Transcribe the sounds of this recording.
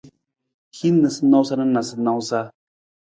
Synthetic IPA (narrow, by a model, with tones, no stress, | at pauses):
hi˦nɨ˨sɨ˦na˦wsa˦nɨ˦na˨sɨ˦na˧wsa˦